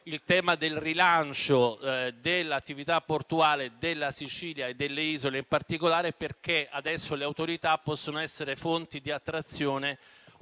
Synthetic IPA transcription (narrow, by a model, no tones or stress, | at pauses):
ilt̪ɛːmad̪elrilant͡ʃod̪elːat̪ːivit̪apːort̪uaːled̪elːasit͡ʃiːljaed̪ːelːeiːzoleimpart̪ikolaːɾeperk̟ead̪ɛsːoleawt̪oɾit̪apːɔsːonoɛsːeɾefont̪id̪iat̪ːɾat̪sːjoːne